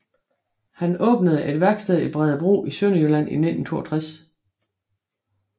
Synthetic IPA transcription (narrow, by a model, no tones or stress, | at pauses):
hænɔ̽ːb̥nəð̞ˠʔe̝d̥ʋæɐɡ̥sd̥ɛðˠib̥ʁɛðˠəb̥ʁo̝̰ːisøn̰əjølæn̰ḭne̝d̥n̩t͡sʰo̝ːɐt͡sʰʁas